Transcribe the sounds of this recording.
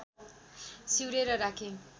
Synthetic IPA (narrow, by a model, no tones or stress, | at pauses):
siwɾeɾʌɾakʰe